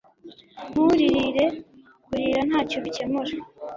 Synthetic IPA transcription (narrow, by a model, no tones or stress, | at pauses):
m̥uɾiɾiɾe̞ | kuɾiɾan̥haːcoβice̞muɾa